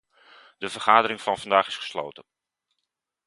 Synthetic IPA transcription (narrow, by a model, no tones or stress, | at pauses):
d̥əvəɹχaːdəɾɪŋvɑnvɑndaːχɪsχə̥slo̰wtən